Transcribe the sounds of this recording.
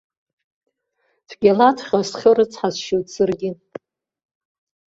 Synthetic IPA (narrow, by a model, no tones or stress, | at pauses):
dʰɡʲalatʰχʲasχʲɨrɨt͡sʰħazʃotʰʼsɨrɡʲɪ